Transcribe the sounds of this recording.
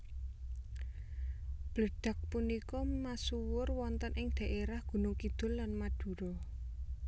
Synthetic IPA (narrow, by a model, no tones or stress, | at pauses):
b̥ləɖ̥ä̤k̚punikɔmasuwʊrwɔnt̪ənʔɪŋd̪̥a̤ʔeɾahɡ̥ṳnokid̪̥ʊ̤lːanmad̪̥ṳɾɔ